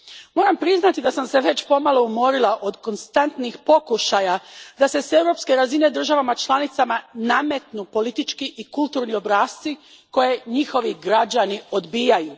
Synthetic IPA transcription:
mo̞ːɾampɾiznat̪id̪asamse̞ʋe̞t͡ɕpo̞malˠo̞umo̞ɾilaʔo̞d̪ko̞nst̪ant̪nixpo̞kuʃajad̪ase̞se̞wɾo̞pske̞ɾazine̞d̪r̩ʒaʋamat͡ʃlˠanit̪samaname̞t̪nupo̞lit̪it͡ʃkiʔikulˠt̪uːɾnio̞bɾaːst̪si | ko̞je̞ɲixo̞ʋiɡɾad͡ʑanio̞d̪biːjajuː

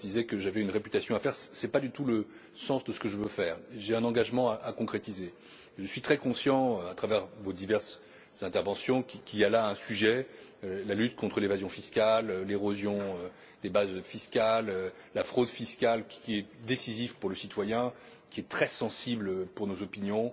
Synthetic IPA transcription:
d̪izɛkəʒavɛynʁepyt̪asjɔ̃afɛʁssɛpad̪yt̪ulə | sɑ̃sd̪əsə̥kəʒəvøfɛːʁʒeɛ̃nɑ̃ɡaʒmɑ̃aʔakɔ̃kχet̪ize | ʒəsɥit̪χɛkɔ̃sjɑ̃øat̪χavɛʁvod̪ivɛʁs | z̥ɛ̃t̪ɛʁvɑ̃sjɔ̃kʲikʲialaɛ̃syʒɛølalyt̪kɔ̃t̪χəlevazjɔ̃fiskʲalleʁozjɔ̃ø | d̪ebazfiskʲaløː | afχod̪fiskʲalkʲiɛd̪esizivpuʁləsit̪wajɛ̃ | kʲiɛt̪χɛsɑ̃siblpuʁnozɔpinjɔ̃

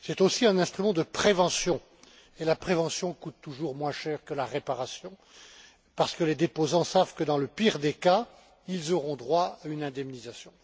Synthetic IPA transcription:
sɛt̪osiɛ̃nɛ̃st̪χymɑ̃d̪əpχevɑ̃sjɔ̃ | elapχevɑ̃sjɔ̃kut̪ːuʒuʁmwɛ̃ʃɛːʁkəlaʁepaʁasjɔ̃ | paʁsə̥kəled̪epozɑ̃savkəd̪ɑ̃ləpiʁd̪eka | ilzɔʁɔ̃d̪ʁwaaynɛ̃d̪ɛmnizasjɔ̃

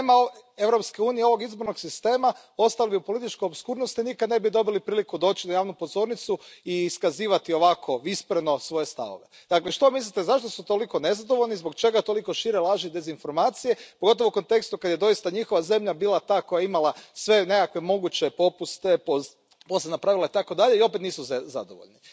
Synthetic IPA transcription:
emaoe̞ʋɾo̞pskeuːnijeo̞ʋo̞ɡizboɾno̞ɡsist̪e̞ːma | o̞st̪alibiupo̞lit̪it͡ʃkojobskuːɾnost̪inikad̪nebid̪o̞bilipɾiːlikud̪o̞ːt͡ɕinajaːʋnupo̞zo̞ːɾnit̪suiːskaziːʋat̪io̞ʋakʰo̞ispɾeno̞sʋo̞je̞st̪a̰ʋo̰ʋed̪̥akleʃt̪o̞mislit̪ezaʃt̪o̞sut̪o̞liko̞ne̞zad̪o̞ʋoʎnizbo̞kt͡ʃe̞ɡat̪o̞likoʃiɾelˠaʒid̪e̞zinfo̞ɾmaːt̪sije̞poɡo̞t̪̬oouko̞nt̪e̞kst̪ukad̪je̞d̪o̞jist̪aɲixo̞ʋaze̞mʎabiːlˠat̪aːko̞jaeimalasʋe̞ne̞kakʋe̞mo̞ɡut͡ɕe̞po̞pust̪epo | po̞sʲed̪napɾaʋilait̪ako̞d̪aʎe̞io̞pet̪niːsuza̰d̪o̰ʋo̰ʎni

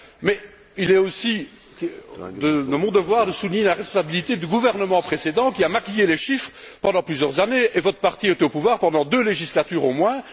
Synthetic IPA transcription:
mɛ | ilɛosi | d̪əd̪əmɔ̃d̪əvwaːʁd̪əsulɲelaʁɛspɔ̃sabilit̪ed̪yɡuvɛʁnəmɑ̃pχesed̪ɑ̃kʲiamakʲijeleʃifχpɑ̃d̪ɑ̃plyzjœʁzaneʔevɔt̪χə̥paʁt̪iet̪opuvwaːʁpɑ̃d̪ɑ̃d̪øleʒislat̪yːʁomwɛ̃

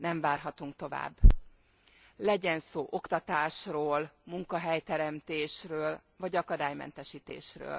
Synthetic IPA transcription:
nɛɱvaːrɦɒt̪uŋkt̪o̞va̰ːbː | lɛɟɛnsoːʔo̞kt̪ɒt̪aːʃroːlmuŋkɒɦɛjt̪ɛɾɛmt̪eːʃrøːl | vɒɟɒkɒd̪aːjmɛ̰n̪t̪ɛʃiːt̪ḛːʃrø̰ːl

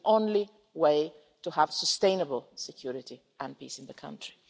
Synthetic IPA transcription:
ʔõʊ̃nli | weɪ | təəv̥səstẽɪ̃nəbəlˠsɨkʰj̥ʊɹɪɾi | ʔə̃npḭsɨ̃n̩ðɨkʰʌ̰̃ntɹ̥i̥

